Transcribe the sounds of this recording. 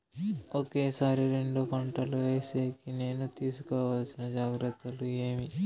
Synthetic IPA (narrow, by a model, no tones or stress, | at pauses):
oke̞ːsaːɾiɾe̞ɳɖukɐɳʈɐluʋeːseːkine̞ːnut̪iːsu̥kɔːʋalsinɐd͡ʒaːɡɾɐt̪ːɐlue̞ːmi